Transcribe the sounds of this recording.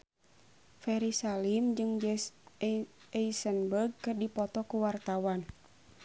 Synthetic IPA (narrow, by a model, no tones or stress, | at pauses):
fɛɾisalimd͡ʒɨŋ | ɛisənbərɡ̚kɨrdipɔt̪ɔkuwart̪awan